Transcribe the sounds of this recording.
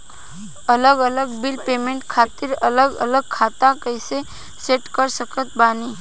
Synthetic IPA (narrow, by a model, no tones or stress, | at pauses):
ɐləɡələɡbɪlpeːmẽɳʈkʰaːt̪ɪɾɐləɡə̰ləɡ̚kʰaːt̪akəɪse | seːʈkəɾsəkət̪baːniː